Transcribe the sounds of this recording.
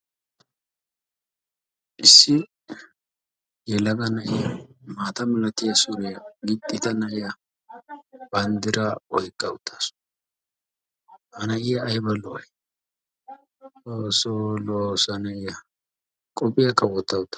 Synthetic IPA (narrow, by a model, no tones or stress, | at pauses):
ʔɪsːɪ | jɛlɐɡɐnɐʔɪjɐmaːt̪ɐmɪlɐt̪ɪjɐsʊnɛɡɪt̪ʼːɪt̪ɐnɐʔɪjɐ | b̥ɐnd̪ɪɾɐɔjkʼːɐʊt̪ʰːɐ̥sʊ̥ | hɐnɐʔɪjɐːjbɐlɔʔɐj | osolosɐnɐɪjɐ | kʼɔpʼːɪjɐkːɐwɔt̪ːɐʊt̪ːɐ̥